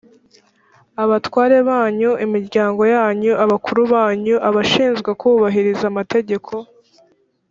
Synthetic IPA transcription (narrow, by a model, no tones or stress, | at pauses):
aβatwaːɾe̞βaːɲuimiɾɟaːŋɡo̞jaːɲuʔaβakuɾuβaːɲuʔaβaʃiːnzɡwekuːβaɦiɾizamate̞ɟe̞kʰo̞